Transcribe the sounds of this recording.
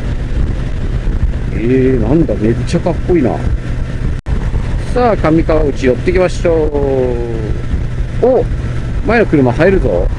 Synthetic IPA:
enãnd̪ame̞t͡ɕːakakːo̞iːna̰ | saːkamʲikaβaɯ̟t͡ɕijot̪ːe̞ikʲimaɕoː | o | mae̞no̞kɯɾɯ̟maɦaeɾɯ̟zo̰

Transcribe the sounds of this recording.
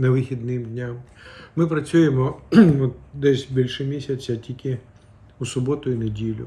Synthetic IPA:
nɐʋɪxʲid̪nɪmd̪ʲnʲammɪpɾɐt͡sʲujemɔɔt̪̚d̪ɛsʲbʲilʲʃɛmʲisʲɐt͡sʲɐtʲikʲɪ | usʊbɔt̪ʊinedʲilʲʊ̰

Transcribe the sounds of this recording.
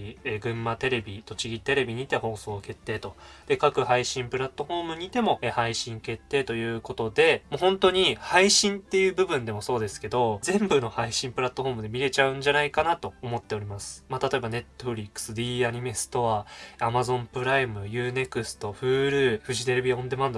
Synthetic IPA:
eɡɯ̟̃mːat̪e̞ɾe̞bʲit̪o̞t͡ɕiɡʲit̪e̞ɾe̞bʲiɲ̟iːt̪eɦo̞ːso̞ːke̞t̪ːe̞ːt̪o̞d̪̥e̞kakɯ̟haiɕĩmpɯ̟ɾat̪ːo̞ɸo̞ːmɯ̟ɲ̟iːt̪e̞mo̞ehaiɕĩŋke̞t̪ːe̞ːt̪o̞jɯ̟ːko̞t̪o̞d̪e̞mohõ̞nt̪o̞ɲ̟ihaiɕĩnt̪ːe̞jɯ̟ːbɯ̟bɯ̟̃nd̪e̞mo̞so̞ːd̪e̞sɨ̥ke̞d̪o̞zẽ̞mbɯno̞haiɕĩmpɯ̟ɾat̪ːo̞ɦo̞ːmɯ̟d̪e̞mʲiɾe̞t͡ɕaɯ̟̃ɲ̟d͡ʑanaikanat̪o̞ːmo̞t̪ːe̞o̞ɾʲimasɨ̥mat̪at̪o̞ebane̞t̪ːoɸɯ̟ɾʲikːɯ̥sɨd̪iːaɲ̟ime̞sɨ̥t̪o̞βaamazõ̞mpɯ̟ɾaimɯ̟jɯ̟ːne̞kɯ̟sɨ̥t̪o̞ɸɯ̟ːɾɯ̟ːɸɯ̟ʑit̪e̞ɾebʲiõ̞nd̪e̞mãnd̪

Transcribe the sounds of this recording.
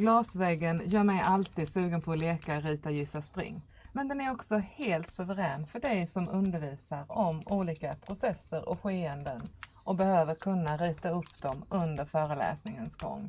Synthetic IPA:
ɡ̥lɑːsvɛɡːənjœːɾmɛjʔalt̪iːd̪sʉ̟ːɡənpʰɔleːkaɾiːt̪ajɪsːaspɾɪ̰ŋː | mɛnd̪ɛnæɾɔksɔheːlt̪sɵvəɾɛːnfœɖɛjsɔmɵnd̪əɾviːsaɾɔmuːliːkapʰɾʊsɛsːəɾɔ̰ɧeːənd̪ən | ʔɔbɛhøːvəɾkʰɵnːaɾiːt̪aɵpːd̪ɔmɵnd̪əɾfœːɾəlɛ̰ːsnɪŋənsɡɔ̰ŋː

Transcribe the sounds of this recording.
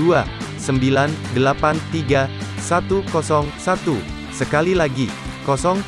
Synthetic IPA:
uasəmbilandəlapant̪iɡasat̪ukɔsɔŋsat̪u | səkalilaɡi | kɔsɔŋ

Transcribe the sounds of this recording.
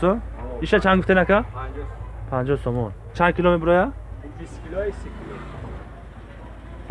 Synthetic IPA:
ɔiʃat͡ʃʰanɡuft̪enakʰa | pʰãnd͡ʒɔsɔmɔn | t͡ʃʰãnkʰilomet̪ɾɔja | s

